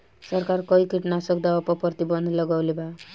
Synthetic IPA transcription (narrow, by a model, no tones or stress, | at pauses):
sʌɾkaɾkɔikiʈnasʌk̚d̪awapɔpʌɾt̪ibʌnd̪ʱlʌɡawleba